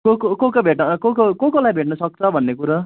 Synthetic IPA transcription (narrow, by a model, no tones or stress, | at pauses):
kokokokabʱeʈnʌkokokokolajbʱeʈnʌsʌk̚t͡sʰʌbʱʌnːekuɾa